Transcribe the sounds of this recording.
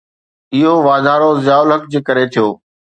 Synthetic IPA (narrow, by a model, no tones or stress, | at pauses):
ɪɦoʋaːd̪ʱaːɾozjaːʊlɦəkd͡ʑeːkɐɾet̪ʰijoː